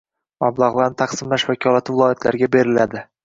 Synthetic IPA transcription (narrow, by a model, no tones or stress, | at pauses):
mablˠaʁlˠaɾnɪt̪ʰɑqsɪmlaʃvakʰʲɒlat̪ʰɪvɪlˠɒjat̪ʰlaɾɡʲabe̞ɾɪlad̪ɪ